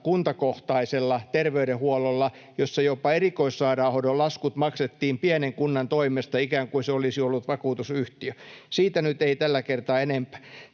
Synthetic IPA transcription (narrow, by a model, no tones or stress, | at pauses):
kunt̪ɑkoht̪ɑiselːɑt̪erʋeyɾehuololːɑ | josːɑjopɑerikoisːɑːɾɑuhodolɑskut̪mɑkset̪ːiːmpiæneŋkunːɑnt̪oimest̪ɑikæːŋkuiseolisiolːut̪ʋɑkuːt̪usyht̪iøsiːt̪ænyt̪eit̪ælːækert̪ɑːenempæ̥ː